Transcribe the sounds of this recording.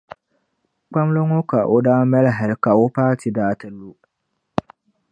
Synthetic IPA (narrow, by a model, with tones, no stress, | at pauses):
k͡pa˦m˦lo˦ŋo˦ka˨ʔo˨daː˦mɛ˦lɦa˨ɾka˨o˦paː˦ti˨daː˨tɨ˨lːu˦